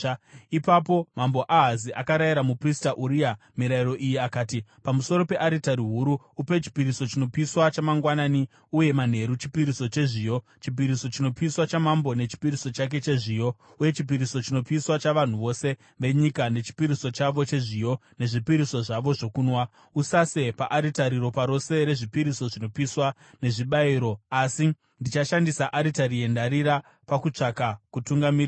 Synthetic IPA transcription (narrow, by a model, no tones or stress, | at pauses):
ipapo̞mambo̞ʔaɦaziʔakaɾajiɾamupristaʔuɾia | miɾaiɾo̞ʔijiakaːtipamuso̞ɾo̞pe̞ʔaɾitaɾiɦuɾuːpe̞t͡ʃi̥piɾiso̞t͡ʃino̞piswat͡ʃamaŋɡwanani | uje̞man̤e̞ɾut͡ʃi̥piɾiso̞t͡ʃe̞ʐijo̞ | t͡ʃip̬iɾiso̞t͡ʃino̞piiswat͡ʃamambo̞ne̞t͡ʃi̥piɾiso̞t͡ʃak̬e̞t͡ʃe̞ʐiːjo̞ | uje̞t͡ʃip̬iɾiso̞t͡ʃino̞piswat͡ʃaʋan̤uʋo̞se̞ | ʋe̞ɲikane̞t͡ʃi̥piɾiso̞t͡ʃaʋo̞t͡ʃe̞ʐijo̞ne̞ʐipiɾiso̞ʐaʋo̞ʐo̞kuːnwa | usase̞paʔaɾitaɾiɾo̞paɾo̞se̞ɾe̞ʐipiɾiso̞ʐino̞piswa | ne̞ʐiɓaiɾo̞asi | ndit͡ʃaʃandisaʔaɾitaɾije̞ndaɾiɾa | pakut͡ʂakakutuŋɡamir